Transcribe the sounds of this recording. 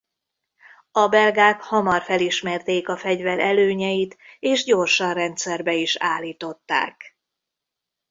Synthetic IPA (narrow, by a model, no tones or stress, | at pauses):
ɒbɛlɡaːkhɒmɒrfɛliʃmɛrt̪eːkɒfɛɟvɛɾɛløːɲɛjit̪eːʒɟo̞rʃɒnrɛnt̪sɛrbɛiʃaːlːiːt̪o̞t̪ːa̰ːk